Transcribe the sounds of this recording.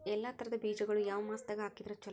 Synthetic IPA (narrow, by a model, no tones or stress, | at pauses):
ɛlːɐt̪ʰɐɾɐd̪ɐbiːd͡ʒɐɡɐɭujaːʋɐmaːst̪ɐɡeɦaːkid̪ɐɾɐt͡ʃːɐ